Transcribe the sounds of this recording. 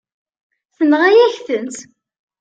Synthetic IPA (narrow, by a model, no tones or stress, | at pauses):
θənʁæjæçθənt̪